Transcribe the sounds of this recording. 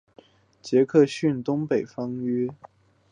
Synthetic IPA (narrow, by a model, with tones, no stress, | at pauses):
t͡ɕjɛ˧˥kʰɤ˥˧ɕy˥˩nt̪ʊ˥ŋpe˨˩ɪfɑ˥ŋy˥